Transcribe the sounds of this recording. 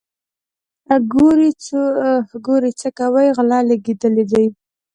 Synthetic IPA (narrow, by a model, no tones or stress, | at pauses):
ɡoɾit͡s | ɡoɾit͡səkawəjɣlɑlaɡed̪əled̪aj